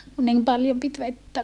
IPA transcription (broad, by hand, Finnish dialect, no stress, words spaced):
ku nim pɑljom pit ʋetːæ